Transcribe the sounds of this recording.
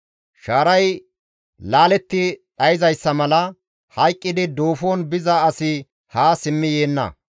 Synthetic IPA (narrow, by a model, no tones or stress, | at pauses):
ʃaːɾɐj | laːlɛt̪ːɪɗɐjɪzɐjsːɐmɐlɐ | hɐjkʼːɪd̪ɪd̪o̞ːfoːnbɪzɐːsɪ | haːsɪmːɪjeːnːɐ̰